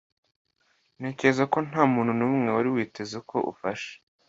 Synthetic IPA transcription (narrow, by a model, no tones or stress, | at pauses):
ne̞ːce̞ɾezako̞n̥aːmuːnhunumŋe̞waɾiwiːte̞zeko̞̰ʔṵfaʃe̥